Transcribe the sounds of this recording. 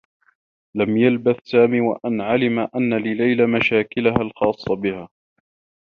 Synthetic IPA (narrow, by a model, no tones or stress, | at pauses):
lamjalbaθsaːmiːwa̰ʔanʕalɪmaʔanːalɪlajlamaʃaːkɪlahalxɑːsˤːɑbɪhaː